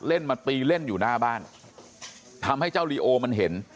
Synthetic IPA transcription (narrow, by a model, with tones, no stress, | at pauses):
le˥˩nmaː˧t̪iː˧le˥˩njuː˨˩naː˥˩baː˥˩n | t̪ʰa˧mha˥˩jt͡ɕaː˥˩wliː˧ʔoː˧ma˧nɦe˩˦n